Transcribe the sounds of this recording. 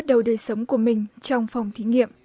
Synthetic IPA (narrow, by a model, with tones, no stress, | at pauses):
t̚ɗə˨˩wɗəː˨˩jsə˨˦wŋ͡mku˧˩əmï˨˩ŋ̟t͡ɕɔ˧wŋ͡mfɑ˨˩wŋ͡mt̪ʰi˨˦ŋḭ˧˨əm